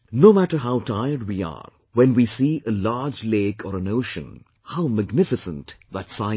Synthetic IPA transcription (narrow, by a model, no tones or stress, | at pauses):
noʊmæʈə˞ɦaʊtʰaɪəɹd̚wiə̰ɾ | wɛ̃nwisiːʔəlaɹd͡ʒleɪkʰɔɾə̃noʊʃə̰̃n | haʊmɨɡnɪfɨsə̃ntðætsaɪ